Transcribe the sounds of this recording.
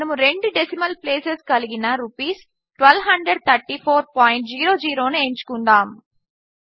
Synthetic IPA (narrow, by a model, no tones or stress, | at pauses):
ɐmuɾe̞ɳɖuɖesimɐlpleːseskɐliɡinɐɾupiːs | ʈʋɐlɦɐɳɖɾeɖ̚t̪ʰɐɾʈːiːpʰoːɾpaːjɳʈ̚d͡ʒiːɾo̞ːd͡ʒiːɾo̞ːnueɲt͡ʃu̥kund̪aːm